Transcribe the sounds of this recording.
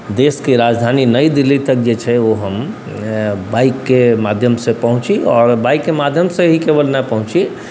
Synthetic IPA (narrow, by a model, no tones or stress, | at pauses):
d̪eskeɾad͡ʒd̪ʱaninəjd̪ilːit̪ək̚d͡ʒet͡ʃʰɛoɦəm | baikːemad̪ʱjəmsẽpəɦũt͡ʃiɔːɾbaikːemad̪ʱjəmsẽɦikebəlnapəɦũt͡ʃi